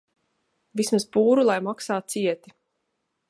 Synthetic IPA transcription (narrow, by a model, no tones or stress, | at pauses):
vismaspuːɾulˠajmaksaːt̪̚siɛt̪i